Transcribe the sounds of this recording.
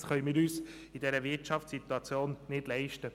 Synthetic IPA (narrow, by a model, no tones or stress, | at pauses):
χœʏmɪːɾyːs | idɛɾəvɪtt͡ʃɑftsit̪wɑt͡sjoːnnɪd̥lɛɪʃtə